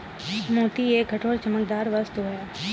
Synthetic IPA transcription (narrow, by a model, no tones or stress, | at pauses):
moːt̪ieːɡʱəʈʰoːɾt͡ʃəmək̚d̪aːɾʋəst̪uɦɛː